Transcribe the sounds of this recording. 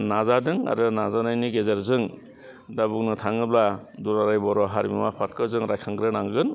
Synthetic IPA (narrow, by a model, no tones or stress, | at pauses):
nazadɯŋa̰ɾɯnazanajniɡezaɾzɯŋ | dabuknɯtʰaŋɯbladuɾaɾajbɔɾɔɦaɾimḭmapʰatkʰɯzɯŋɾajkʰaŋɡɾɯnaŋɡɯɡɯn